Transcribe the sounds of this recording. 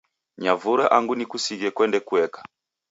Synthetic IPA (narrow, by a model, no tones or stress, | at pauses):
ɲavuɾaʔaŋɡunikusiɣɛkwɛndɛkuɛkḁ